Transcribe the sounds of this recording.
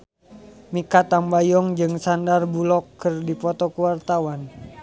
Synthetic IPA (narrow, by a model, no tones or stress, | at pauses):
mikat̪ambajɔŋd͡ʒɨŋsandarbulɔkːɨrdipɔt̪ɔkuwart̪awan